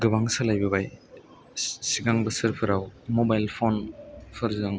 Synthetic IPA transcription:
ɡɯbaŋsalajbɐβaj | siɡaŋbɐsɯɾpʰɯɾawmobajlpʰonpʰɯɾzzaŋ

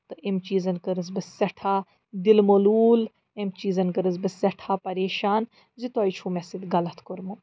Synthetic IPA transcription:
t̪ɨʔemt͡ʃiːzɐnkɐɾɨzbɐsːɐʈʰaː | d̪ilmoluːl | emt͡ʃiːzɐnkɐɾɨzbɐsɐʈʰaːpɐɾeːʃaːn | zit̪oːit͡ʃʰumesid̪ɡɐlɐt̪koɾmu

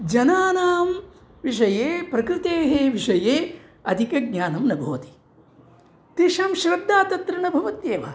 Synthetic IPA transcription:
d͡ʒɐnaːnaːm | ʋiʂ̬ɐjeːpɾɐkɾɪt̪eːɦeːʋiʂɐjeː | ɐd̪ʱikɐɡ̚ɲaːnɐmnɐbʱoːɐt̪i̥ | t̪iʃɐmʃɾɐb̚d̪ːaːt̪ɐt̪ɾɐnɐbʱɐʋɐt̪jeːʋɐ̰

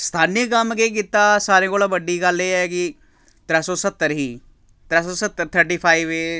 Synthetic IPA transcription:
st̪ʰaːnəkəmkeːk̬iːt̪ːaːsaːɾẽːkoːlaːbəɖiːɡəleːɛːkɪ | t̪ɾɛːsoːsət̪ːəɾɦiː | t̪ɾɛːsoːsət̪ːəɾt̪ʰəɾʈiːpʰaːiʋeː

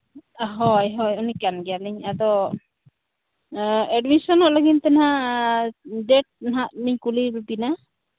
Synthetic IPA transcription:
ɦɔjɦɔjunikanɡɛjaliɲad̪ɔ | ɛɖmisɔnɔʔlaɡint̪ɛnhaʔ | ɖɛʈ̚nɦaʔmiɲkulibbina

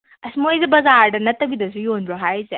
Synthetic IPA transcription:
ɐsimojzebɐzaɾdɐnɐtɐbidɐzujonɾɔɦajze

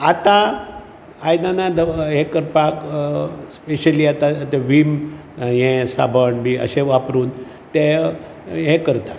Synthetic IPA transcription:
at̪aː | jnanad̪əɦẽkəɾpak | speɕəliat̪at̪ɛʋim | jɛ̃sa̰bʱəɳbiə̰ɕẽʋapɾuːn | t̪e | ɦɛ̃kəɾt̪a

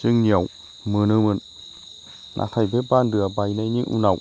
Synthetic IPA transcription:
t͡ɕɯŋɲiəw | mɯnɯmɯn | nʔa̰t̪ʰajbʰep̚baːndɯəbajnajɲɨŋʔṵnaw

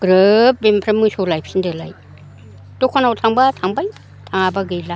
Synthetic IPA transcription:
ɡ̥ɾɯp̚bempʰɾamɯsolajp̚ʰsindɯlaj | dokʰanawtʰaŋbatʰaŋbaj | tʰaŋabaɡɯjla

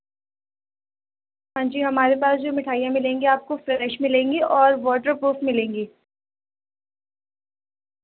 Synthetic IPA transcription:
ɦãːɲd͡ʒiːɦɐmaːɾepaːsd͡ʒoːmɪʈʰaːijãmɪlẽːŋɡiaːp̚koflɛːɾɛʃmɪlẽːŋɡiʔɔːɾʋɔːʈəɾpɾuːfmɪlẽːŋɡiː

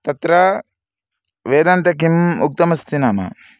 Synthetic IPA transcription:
t̪ɐt̪ɾɐ | ʋeːd̪ɐnt̪ɐk̬imuk̚t̪ɐmɐst̪inaːmɐ̰

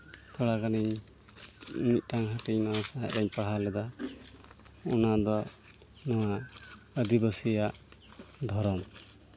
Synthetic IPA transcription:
t̪ʰɔɽakaniɲ | nit̪̚ˀʈʰaŋɦəʈiɲnawasaɛ̰ɾɛɲpaɽ̤alɛd̪a | ɔnad̪ɔ | nɔwa | əd̪ibəsijaʔd̪ʱɔɾɔm

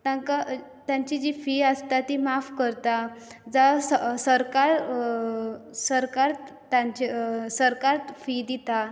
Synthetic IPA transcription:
t̪ãŋka | t̪jãɲt͡ɕid͡ʑifiəst̪at̪imafkəɾt̪ad͡zassəɾkaɾ | səɾkaɾ | t̪ãɲt͡ɕisəɾkaɾfid̪it̪a

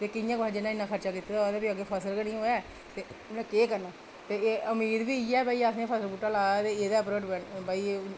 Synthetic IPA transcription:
t̪eːkɪjãːkad͡ʒɪnãːɪnːãːkʰəɾt͡ʃaːkiːt̪eːd̪ad̪aːbiːəɡeːpʰəsəlkənĩːɦoːjaː | t̪eːʊnãːkeːkəɾnaː | t̪eːəmiːɾbiːiːɛːbaːiːasẽpʰəsəlbuːʈːaːlaːaːt̪eːeːd̪aːəpɾoːʈbɛnbaːiː

